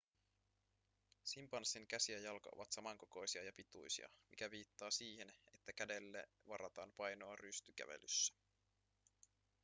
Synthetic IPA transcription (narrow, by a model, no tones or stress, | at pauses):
simpɑnsːiŋkæsiæjɑlkɑʔo̰ʋɑt̪sɑmɑŋko̞ko̞jsiɑjɑpit̪ṵjsḭɑ̰mʔikæʋiːt̪ːɑːsiːhene̞t̪ːækæde̞lːe | ʋɑɾʔɑt̪ɑːnpɑjnoɑryst̪yk̟æ̰ʋḛlysːæ̥